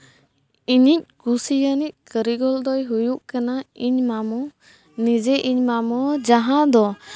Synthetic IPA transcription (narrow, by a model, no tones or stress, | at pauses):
iɲic̚kusijanic̚kəɾiɡɔld̪ɔjɦujuʔkanaiɲmamɔ | nid͡ʒɛʔiɲmamɔd͡ʒaɦãd̪ɔ